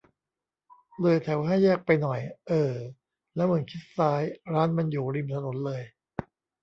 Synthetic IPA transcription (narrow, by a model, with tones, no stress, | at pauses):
lɤː˧jt̪ʰɛ˨˩˦wɦa˥˩jːɛː˥˩k̚pa˧jnɔ˨˩jʔɤː˨˩ | lɛ˦˥mɯ˩˦nkʰi˦˥t̪̚saː˦˥jɾaː˦˥nma˧njuː˨˩ɾi˧mt̪ʰa˧no˩˦nlɤː˧j